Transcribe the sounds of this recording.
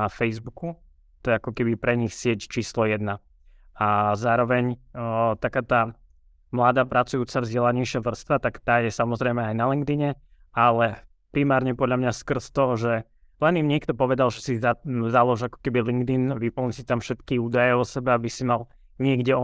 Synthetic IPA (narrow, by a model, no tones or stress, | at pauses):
afɛjzbuku | t̪ɔjɛakɔkɛbipɾɛɲixsɪɛct͡ʃiːslɔjɛd̪na | azaːɾɔʋɛɲt̪akaːt̪aː | mlad̪aːpɾat͡sujuːt͡savzɟɛlaɲɛɪʃɪaʋr̩st̪ʋat̪akt̪aːjɛsamɔzɾɛmɛajnaliŋɡd̪iɲɛ | alɛ | pɾimaːɾɲɛpɔd̪ʎamɲaskr̩st̪ɔɦɔʒɛ | lɛnimɲɪɛkt̪ɔpɔʋɛd̪alʒɛsizalɔʒakɔ̥kɛbiliŋɡd̪inʋipl̩ɲsit̪amfʃɛt̪kiuːd̪ajɛɔsɛbɛabisimal | ɲɪɛɡɟɛɔ